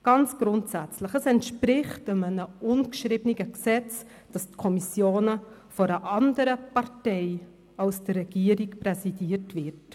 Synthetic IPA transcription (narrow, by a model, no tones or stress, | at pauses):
ɡ̥ɑnt͡sɡ̥ɾʊntsæt͡sləχəsɛntʃpɾɪχtəmənəʔʊnkʃɾiːbniɡəksɛt͡s | d̥ɑstkʰɔmisjoːnə | fɔɾəʔɑndəɾəpɑɾtɛɪ | ɑlsd̥əɾːɛɡ̥iːəɾikpɾɛsidiːəɾtvɪɾt